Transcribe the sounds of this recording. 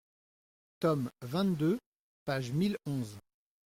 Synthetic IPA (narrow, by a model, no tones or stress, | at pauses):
t̪ɔmvɛ̃t̪d̪ø | paʒmilɔ̃z